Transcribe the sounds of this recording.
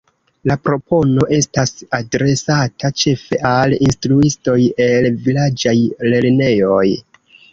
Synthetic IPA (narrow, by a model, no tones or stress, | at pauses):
lapɾo̞po̞no̞ʔe̞stasadɾe̞satʰat͡ʃe̞fe̞ʔalinstɾuisto̞je̞lvilad͡ʒajle̞ɾne̞jo̞j